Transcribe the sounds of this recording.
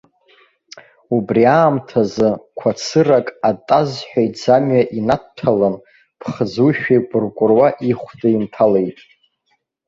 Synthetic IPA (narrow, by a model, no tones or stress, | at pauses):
ubriaːmtʰazɨkʷʰat͡sʰɨrakʼatʼazħʷᶣajd͡zamɥaʔinatʰalan | pʰχəd͡zuʃᶣipʼʊrkʷʼʊrwaʔiχʷdaintʰale̞jtʼ